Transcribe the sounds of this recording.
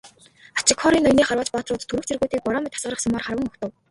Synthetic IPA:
at͡ɕɪkʰɔɾiːnɔjniːχarwaːt͡ɕpɔːt̪rʊːt̪ʰːuɾɘ̆kt͡sʰerɣuːt̪iːk̚pɔɾɔːmʲĭt̪ʰḁsɢə̆rə̆χsɔmaːrχarwə̆ŋɔxt̪ə̆w

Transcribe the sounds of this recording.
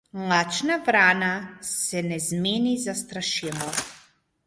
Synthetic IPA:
mlˠat͡ʃnavɾanasɛnɛzmɛnizast̪ɾaʃɛlɔ

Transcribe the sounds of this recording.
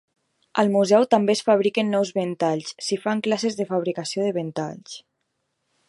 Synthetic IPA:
əlˠmuzɛwt̪ambesfaβ̞ɾikənːɔwzβent̪aʎssifaŋklasezðəfaβɾikasioðəβent̪a̰ʎs

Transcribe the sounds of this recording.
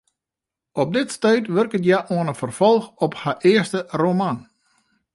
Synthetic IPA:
ɔp̚dɪtstœɥtʋørkətjaʔuənəfərfɔlˠxɔphaʔɪərstəroman

